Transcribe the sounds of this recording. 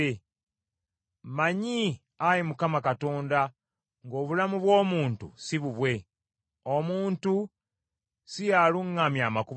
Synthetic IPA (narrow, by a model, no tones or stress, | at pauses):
e | maɲi | ajimukamakato̞ːnda | ŋɡo̞ːβulamuβwo̞ːmuːntṵsiβuβwe̞ | omuːntu | sijaluŋːamjaːmaku